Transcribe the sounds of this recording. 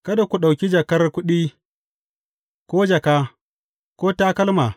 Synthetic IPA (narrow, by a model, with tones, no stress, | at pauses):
kɐ˦da˨kʷu˨ɗa˨wkʲi˦d͡ʒɐ˨kɐ˦rkʷʊ˦ɗiː˦ | kʷoː˦d͡ʒɐ˨kaː˦ | koː˦taː˦kɐ˦lma˨